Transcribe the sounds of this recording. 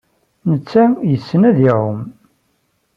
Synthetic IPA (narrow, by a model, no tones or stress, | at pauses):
nət͡sːæjəsːənæðɪʕʊm